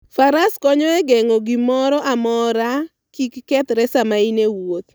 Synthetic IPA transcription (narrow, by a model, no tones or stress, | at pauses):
faɾaskɔɲɔɛɡɛŋoɡimɔɾɔʔamɔɾa | kikːɛt̪ɾɛsamainewot̪̚